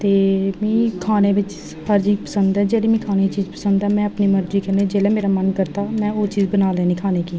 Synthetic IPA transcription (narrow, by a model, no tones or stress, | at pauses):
t̪eːmĩːkʰaːneːʋɪt͡ʃ | həɾd͡ʒiːk̚pəsənd̪ɛːd͡ʒeːɽiːmĩːkʰaːneːit͡ʃiːzpə̥sənd̪ɛːmɛ̃ːəpniːməɾd͡ʒiːkəɾneːd͡ʒeːlɛːmeːɾaːmənkəɾt̪aːmɛ̃ːoːt͡ʃiːzbənaːlɛːniːkʰaːneːkiː